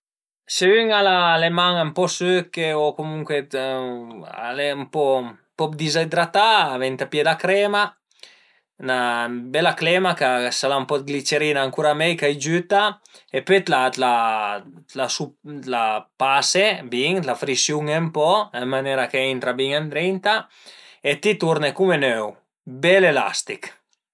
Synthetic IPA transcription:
seyŋalalemaŋampɔsøkeɔkomuŋkwe | a̰lempɔ | pɔpd̪izad̪ɾat̪aːvɛnt̪apjɛd̪akɾɛma | nabɛlaklɛmakasalampɔt̪̚ɡlit͡ʃeɾinaːŋkuɾamɛjkajd͡ʒyt̪a | epet̪lala | lasulapasebiŋlafɾisjuŋempɔamːanɛɾakeint̪ɾabiŋand̪ɾɛnt̪a | et̪it̪uɾnekumenøw | bɛlela̰st̪ik

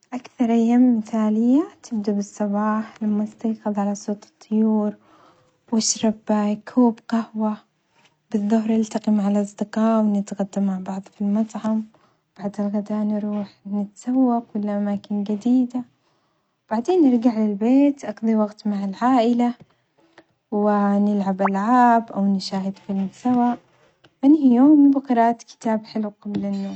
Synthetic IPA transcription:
ʔakθɑɾˤʔajːaːmːɪθaːlɪjːat̪ʰɪb̚d̪ubɨsˤːɑbɑːħlamːast̪ajxɑðˤʕalasˤoːt̪ˤɨ̥t̪ˤʰːʊjuːɾ | waʃɾˤɑbkʰuːbqahwa | bɨðˤːʊɦɾˤʔɪlt̪ɑqimʕalʔɑsˤd̪ɨqɑːʔwnɪt̪ɣad̪ːamːaʕbɑʕðˤfilmɑt̪ˤʕɑm | b̥aʕd̪ɪlɣad̪aːnɾˤuːħnɪt̪sawːakwɪlːʔamaːkɪnɡad̪iːd̪a | wb̥aʕd̪eːnːɪɾˤɡaʕlɪlbeːt̪ʔɑɡd̪ˤiwɑɡt̪maʕalʕaːʔɪla | wɪnɪlʕabʔalʕaːbʔawnɪʃaːhɪd̪fɪlmsawaːʔ | ʔɪnhijoːmbɪqɑɾˤɑːʔt̪kɪ̥t̪aːbħɪlwqablɪnːoːɾ

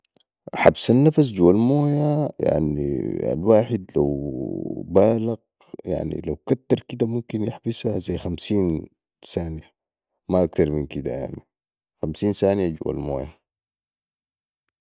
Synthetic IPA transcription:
ħabsanːafas̬d͡ʒuwalmoːjaja̰ʕnḭa̰lwaːħid̪la̰w | baːlaɡ | ja̰ʕnḭlawkat̪ːɑɾˤkid̪amumkinjaħbisazajːxamsiːn | saːnija | maʔak̚t̪ɑɾˤminkid̪a̰ja̰ʕni | xamsiːnsaːnijaɟṵwa̰lmo̰ːja

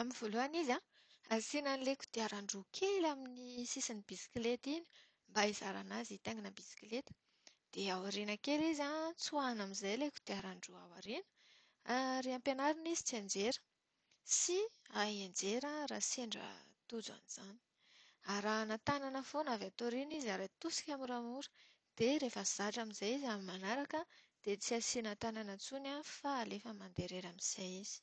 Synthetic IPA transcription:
aminvoluaniza | asinanileku̥d̪̥eaɾaɳɖ͡ʐukʰelaminisisanibisi̥kilet̪ini̥ | mbaizaɾa̰nazit̪eŋɡanəbisi̥klet̪ə̥ | d̪̥eawaɾinəkelizat͡suanamizajleku̥d̪̥eaɾaɳɖ͡ʐuawa̰ɾinə̥ | aɾeampenaɾinizit͡sand͡ʒeɾə̥ | siaɦend͡ʒeɾəɾaseɳɖ͡ʐə̰t̪ud͡zua̰niz̥ani̥ | aɾanat̪ananəfonavat̪oɾinizaɾat̪usi̥kʲamiɾamuɾu̥ | d̪̥eɾefəz̥aʈ͡ʂamizajizamimanaɾakəd̪̥et͡siasinat̪ananat͡sunafalefəmand̪eɾeɾamizajiz̥i̥

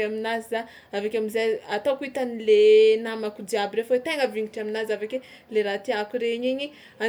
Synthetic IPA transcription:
aminaza | avakʲamizaat̪akuit̪anilenamakud̪iabiɾefwet̪eŋəviŋɡiʈ͡ʂiaminazavekʲe | leɾat̪iakuɾeɲiɲi | a

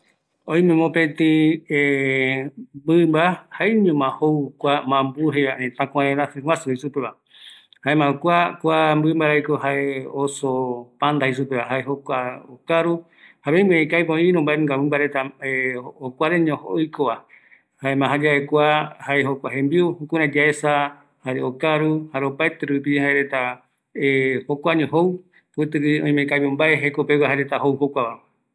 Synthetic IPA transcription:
õj̃mẽmõpet̪ĩe | bɨmbahaiɲõmãhokʷamãmbuɦeãʔẽt̪ãkʷãẽɾãsɨŋwãsuiʃupeβa | haemãukʷakʷambɨmbaɾajkohaʔeosopãnd̪ahisupeβaɦaeɦokʷaokaɾu | haɾej̃mẽekajpõĩɾõmbaẽŋɡamɨ̃mbaɾet̪aeokʷaɾeɲõhojkoβa | haemãɦad͡ʒaekʷahaeɦokʷaɦẽmbiohukũɾãd͡ʒaesa | haɾeokaɾuhaɾeopaet̪eɾup̬ihaeɾe̞t̪a | ehokʷaɲõɦow | pɨt̪ɨɾiõj̃mẽkajpombaeɦekopewaɦaɾet̪aɦowɦokʷaβa

